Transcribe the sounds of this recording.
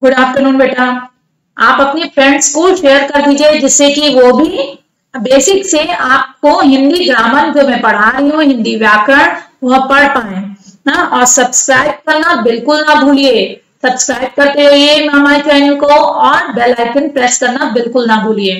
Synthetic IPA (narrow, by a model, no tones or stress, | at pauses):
ɡʊɽaːft̪əɾnuːnbeːʈa | aːpɐpnifʰɾɛ̃ɳɖskoʃejəɾkɐɾd̪iːd͡ʒied͡ʒɪsːekiʋobʱi | beːsɪkseaːp̚koɦɪ̃nd̪iɡ̪ɾaːmənd͡ʒomẽpɐɽ̤aːɾɐɦiũɦɪ̃nd̪iʋjaːkəɽ̃ʋɐɦpɐɽ̤paːẽːnaɔːɾsɐbskɾaːɪb̚kɐɾnabɪlkʊlnɐbʱuːlieː | sɐbskɾaːɪb̚kɐɾt̪eɾiemɛ̃ɦɐmaːlkaːjũkoɔːɾbɛːlaːɪkɪ̃npɾɛːskɐɾnabɪlkʊlnɐbʱuːlieː